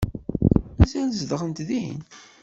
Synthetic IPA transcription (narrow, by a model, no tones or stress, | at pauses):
nzæzðəʁənt̪ðḭn